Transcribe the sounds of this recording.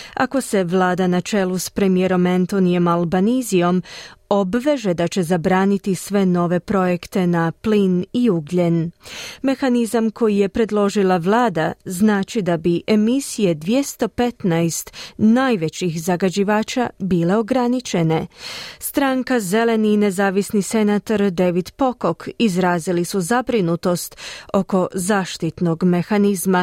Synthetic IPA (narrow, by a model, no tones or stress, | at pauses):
a̰ko̞se̞ʋlˠaːd̪anat͡ʃe̞lˠuspɾe̞mijeɾo̞ment̪o̞nijo̞malˠbanizio̞mo̞bʋe̞ʒe̞d̪at͡ɕe̞zabɾaːnit̪isʋe̞no̞ʋe̞pɾo̞je̞kt̪e̞napliniuɡʎenme̞xanizamkʰo̞jije̞pɾe̞d̪lˠo̞ʒilˠaʋlˠaːd̪a̰znaːt͡ʃid̪abiʔe̞misije̞d̪ʋje̞st̪o̞pe̞t̪najst̪najʋe̞t͡ɕixzaɡad͡ʑiʋaːt͡ʃabiːle̞o̞ɡɾanit͡ʃe̞ne̞st̪ɾaŋkaze̞le̞nine̞zaːʋisnise̞naːt̪oɾd̪e̞ʋid̪po̞ko̞kʰizɾaːzilisuzabɾinut̪o̞st̪o̞ko̞zaːʃt̪it̪no̞ɡme̞xanizma